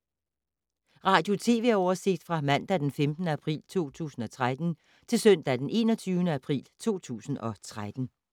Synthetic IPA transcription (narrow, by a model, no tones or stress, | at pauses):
ʁɑ̈ːd̥jo̝t͡sʰe̝̰ːʋe̝æɒʊɐse̝ɡ̥̚d̥fʁɑ̈mæn̰d̥æd̥enfemd̥n̩əæpʰʁḭːlt͡sʰo̝̰ːt͡sʰṵːsn̩ɒ̽t͡sʰʁad̥n̩ | t͡sʰe̝lsœn̰d̥æd̥enʔe̝̰ːnɒ̽t͡sʰyːʊnəæpʰʁḭːlt͡sʰo̝̰ːt͡sʰṵːsn̩ɒ̽t͡sʰʁad̥n̩